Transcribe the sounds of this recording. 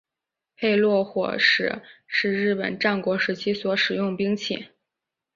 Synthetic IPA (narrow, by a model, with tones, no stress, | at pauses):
pʰe˥˧ɪlwɔ˥˩xwɔ̰˨˩ʂɻ̩˨˧˩ʂɻ̩˥˧ɻɻ̩˥˩pə̰˨˩nʈ͡ʂa˥˩nkwɔ˧˥ʂɻ̩˧˥t͡ɕʰi˥swɔ˧˥ʂɻ̩˨˩jʊ˥˩ŋpi˥ŋt͡ɕʰḭ˧˩˦